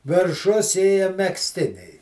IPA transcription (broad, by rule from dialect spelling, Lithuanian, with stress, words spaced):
ʋʲɪrˈʃʊs ˈeːjɛ mʲɛksʲˈtʲɪnʲɛɪ